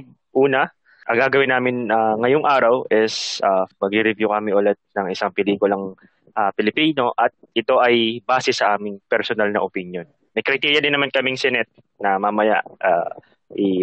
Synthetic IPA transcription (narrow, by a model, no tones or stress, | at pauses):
ʔuːnɐ | ʔɐŋɡaːɡɐwɪnaːmɪnaŋɐjoŋʔaːɾɐwʔɛsamɐɡɾɪɾɪvjukɐmɪʔolɛt̪̚nɐŋɪsaŋpɪliːkʊlɐŋ | ʔapɪlɪpiːno̞ʔɐt̪̚ʔɪt̪o̞ʔɐjbaːsɛsɐʔaːmɪŋpɛɾsonalnɐʔopɪnjo̞n | mɐjkɾɪt̪iɾjɐd̪ɪnɐmankɐmɪŋsɛnɛt̪̚ | nɐmamɐja̰ʔʔa̰ː | ʔɪ